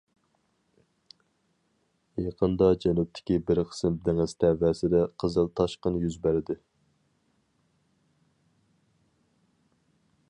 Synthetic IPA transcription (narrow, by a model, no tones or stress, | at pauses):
jɑqʰənd̪ɑd͡ʒɛnup̚t̪ʰɪ̥kʲibɪɾqʰə̥sɪmd̪æŋɪzt̪ʰævɛsɪd̪ɛqʰəzɨlˠt̪ʰɑʃqənjyzbæɾɪd̪ɪ